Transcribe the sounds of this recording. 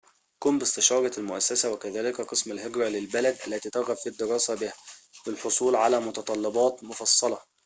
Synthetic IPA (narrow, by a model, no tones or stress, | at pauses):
kuːmbɪst̪ɪʃɑːɾˤɑlmʊʔæsːæsæwækæðæːlɪkæqɨsmælɦeɡɾɑlɪlbælæd̪ʔælːæt̪iːt̪ɑɾɣæffid̪ːɪɾɑːsæbɪhæbɪlħosˤuːlʕalæːmʊt̪ɑt̪ˤɑlːɑbɑːt̪mʊfɑsˤːɑlɑ